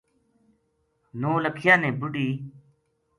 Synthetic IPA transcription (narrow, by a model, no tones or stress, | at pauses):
noːləkʰjãːnẽːbʊɖiː